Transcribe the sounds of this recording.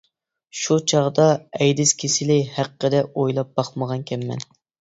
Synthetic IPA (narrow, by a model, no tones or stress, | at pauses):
ʃut͡ʃʰɑʁd̪ɑɛjd̪ɪskʲʰesɪlɪhæqːəd̪ɛojlˠɑp̚b̥ɑχməʁɑnkʲʰɛmːɛ̰n